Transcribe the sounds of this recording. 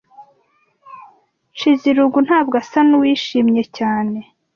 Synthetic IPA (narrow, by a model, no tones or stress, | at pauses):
t͡ʃiziɾuɡun̥haːbɡasanuwiːʃiːmɲe̞caːne̞